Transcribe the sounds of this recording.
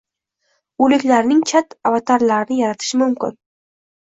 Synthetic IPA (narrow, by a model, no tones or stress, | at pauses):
ɵlɪkʲlaɾnɪŋt͡ʃʰat̪avat̪ʰaɾlaɾɪnɪjaɾat̪ʰɪ̥ʃɪmʊmkʲɪ̰n